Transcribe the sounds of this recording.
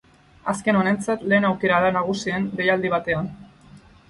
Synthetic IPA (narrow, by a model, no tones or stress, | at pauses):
aske̞no̞ne̞nt͡sat̪le̞ːnawke̞ɾaðanaɣ̞usiend̪e̞jald̪iβ̞at̪e̞an